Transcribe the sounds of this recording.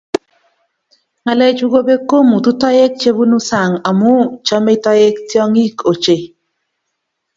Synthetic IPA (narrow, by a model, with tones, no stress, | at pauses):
ŋa˨lɛ˨t͡ʃu˦ɡo˦be˦ko˦mu˨t̪u˦tɔ˦je˦k̚t͡ʃe˦bu˦nu˦sa˨ŋa˨mu˦t͡ʃɔ˦me˦tɔ˦je˦ktjɔ˦ŋi˦kʰo˨t͡ʃe˨